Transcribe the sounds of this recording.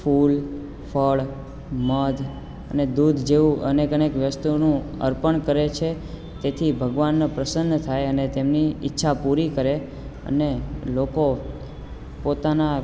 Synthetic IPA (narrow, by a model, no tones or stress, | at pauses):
fʰul | fʰəɭ | məd̪ʱ | əned̪ud̪ʱd͡ʒeʋũʔənekənekʋjəst̪unũ | ə̰ɾpəɳkəɾet͡ʃʰe | t̪et̪ʰibʱəɡʋanːapɾəsənːət̪ʰajənet̪emniɪ̰tːʃʰapuɾikəɾe | ə̰neloko | pot̪ana